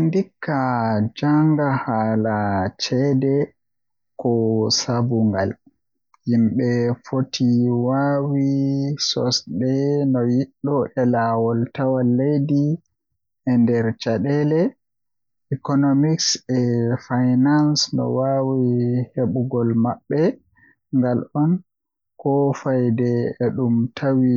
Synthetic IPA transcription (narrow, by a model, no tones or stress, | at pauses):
ndikʰːad͡ʒaŋɡahaːlat͡ʃɛdɛ | kɔsabuŋɡa̰l | himɓɛfotʰiwawisɔ̰sɗɛnɔjiɗːɔʔɛlawɔltawalːejdi | ɛndɛɾt͡ʃaɗɛlɛ | ikɔnomiksɛfajnansnɔ̰wawiheɓuɡɔlmaɓːɛ | ŋɡalɔn | kɔfajdɛɛɗumtʰawi